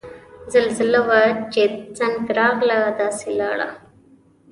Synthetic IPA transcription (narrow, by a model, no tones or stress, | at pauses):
zalzɪlawat͡ʃet͡saŋɡɾɑɣlad̪ɑːselɑːɽa̰